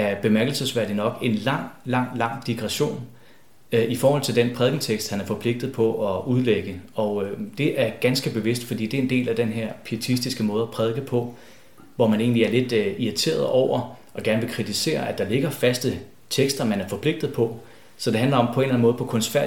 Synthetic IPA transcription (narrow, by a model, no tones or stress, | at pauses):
æɐb̥e̝mæɐɡ̥l̩səsʋæɐ̰d̥inɒ̽ɡ̥e̝nlɑ̈ŋ̰lɑ̈ŋ̰lɑ̈ŋ̰d̥iɡ̥ʁaɕo̝̰ːn | ifɒːhɒ̽l̰t͡sʰe̝ld̥enpʰʁɛðˠɡ̥ŋ̩t͡sʰeɡ̥sd̥hænæɐfɒ̽pʰle̝ɡ̥̚d̥ð̩ˠpʰɒ̽ʔɒ̽uðˠleɡ̥əɒ̽ʊd̥e̝ʔæɐɡ̥ænsɡ̥əb̥e̝ʋe̝sd̥fɒ̽d̥ḭːd̥e̝end̥e̝̰ːlæd̥enɦeɐ̰pʰiet͡sʰisd̥isɡ̥əmɔ̽ːð̞ˠæpʰʁɛð̞ˠɡ̥əpʰɒ̽ | ʋɒmæne̝̰ːnliæɐle̝d̥iit͡sʰe̝̰ːɐð̞ˠɒʊ̰ɐʔɒ̽ɡ̥æɐnəʋe̝kʰʁit͡sʰise̝̰ːɐæd̥ɑ̈le̝ɡ̥ɐfæsd̥ə | t͡sʰeɡ̥sd̥ɐmænæɐfɒ̽pʰle̝ɡ̥̚d̥ð̩ˠpʰɒ̽ | sɒ̽d̥e̝ɦænlɐɒ̽mpʰɒ̽e̝nlæn̩mɔ̽ð̩ˠpʰɒ̽kʰɔ̽nsfæɐ